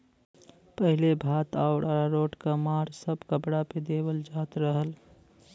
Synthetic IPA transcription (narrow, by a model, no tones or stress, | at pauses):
pəɦɪlebʱaːt̪aʊɽaɾɾoːʈkamaːɾsəbkəbɽaped̪eːwəld͡ʒaːt̪ɾəɦəl